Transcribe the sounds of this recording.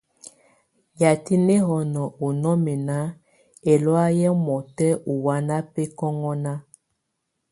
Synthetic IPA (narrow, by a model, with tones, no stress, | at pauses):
ja˨ti˦ne˦ɦɔ˨nɔ˨ʔo˨nɔ˦mɛ˨na˦ | e˨lɔ˦a˦jɛ˦mɔ˨tɛ˦ʔu˨wa˦na˦pɛ˦kɔ˦ŋɔ˦na˦